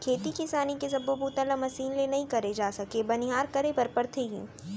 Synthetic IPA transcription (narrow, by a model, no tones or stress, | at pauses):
kʰeːt̪ikɪsaːnikesɐbopuːt̪alamɐsiːnlenɐɦĩkɐɾed͡ʒaːsɐkebɐnɪɦaːɾkɐɾepɐɾpɐɾt̪ʰeːɡḭ̃ː